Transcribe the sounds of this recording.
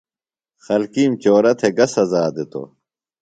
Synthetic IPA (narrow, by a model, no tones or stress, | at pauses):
xɐlkiːmt͡ɕoːɾɐt̪ʰeɡɐsɐzaːd̪et̪o̰